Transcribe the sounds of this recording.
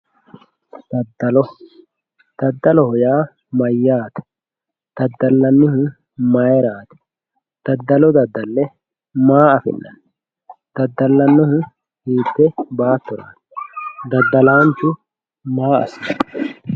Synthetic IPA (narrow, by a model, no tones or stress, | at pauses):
d̪̥ɐd̪ːɐlɔ | d̪̥ɐd̪ːɐlɔhɔjaː | mɐjːaːt̪ɐ̥ | d̪̥ɐd̪ːɐlːɐnːɪhʊ | mɐjɛɾaːt̪ɐ̥ | d̪̥ɐd̪ːɐlɔd̪ɐd̪ːɐlːɛ | maːɐfɪ̰nːɐ̰n | d̪̥ɐd̪ːɐlːɐnːɔhʊ | hiːd̪ːɛbaːt̪ːɔɾa̰ːt̪d̪ɐd̪ːɐlaːnt͡ʃʊ | maːɐ̰sɪɐ